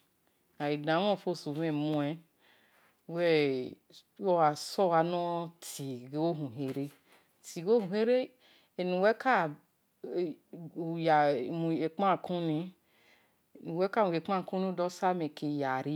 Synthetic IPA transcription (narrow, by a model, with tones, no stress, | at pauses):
a˨i˨dã˨˦wɔ̃˦˨fo˦˨su˨vɛ˦˨mũ˧˦ɛ˦ | wɛ˦ | ɔ˦wa˨sɔ˦wa˧nɔ̃˦ti˨ɡo˦ɦũ˨ɦe˨ɾe˦ | ti˨ɡo˦hũ˨ɦe˦ɾe˦ | e˨nũ˨wɛ˦ka˦˨ | ja˨mũ˨e˨k͡pã˦˨kʰũ˦nĩ˧˨ | nũ˨wɛ˦ka˦˨mũ˨e˨k͡pã˦˨kũ˦nĩ˦dɔ˦sa˦mɛ˨ke˧ja˨ɾi˦